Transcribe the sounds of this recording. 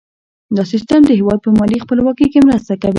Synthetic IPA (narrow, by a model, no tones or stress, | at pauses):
d̪ɑsist̪əmd̪əɦewɑd̪̚pəmɑlixpəlwɑkəjkemɾəst̪akawi